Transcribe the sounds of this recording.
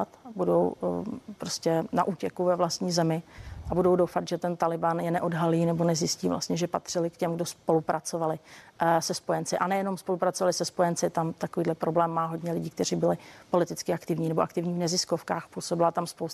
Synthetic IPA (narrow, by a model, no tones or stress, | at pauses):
at̪budo̰wpɾoscʲɛna̰ʔuːcɛkuvɛvlast̪ɲiːzɛmɪʔabudo̞wdowfat̪ʒɛt̪ɛnt̪alɪbanjɛnɛʔo̞dɦaliːnɛbo̞nɛzjɪsciːvlʔa̰stɲɛʒɛpa̰t̪r̝̥ɪlɪkcɛmɡdo̞spo̞lupɾʔat͡so̞valɪsɛspo̞jɛnt͡sɪʔanɛjɛno̞mspo̞lupɾat͡sovalɪsɛspo̞jɛnt͡sɪt̪amt̪akoviːdlɛpɾo̞blɛːmːaːɦo̞dɲɛlɪɟiːkt̪ɛr̝iːbɪlɪpo̞lɪt̪ɪt͡skɪakt̪ɪvɲiːnɛboʔakt̪ɪvɲiːvnɛzɪskofkaːxpuːsobɪlat̪amspols